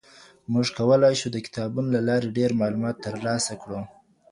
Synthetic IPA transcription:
mʊʐkawəlɑjʃud̪əkɪ̥t̪ɑbunolalɑɾeɖeɾmɑlumɑt̪ːəɾlɑsakɽu

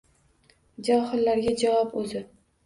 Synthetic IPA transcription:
d͡ʒɒhɪlːaɾɡʲad͡ʒawɒpɵzɪ

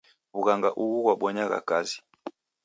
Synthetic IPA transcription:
βuɣaŋɡaʔuɣuɣwaɓɔɲaɣa̰kazi

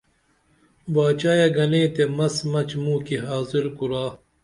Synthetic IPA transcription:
baːt͡ɕaːjɐɡɐneːt̪emɐsmɐt͡ɕmuːkiɦaːziɾkuɾaː

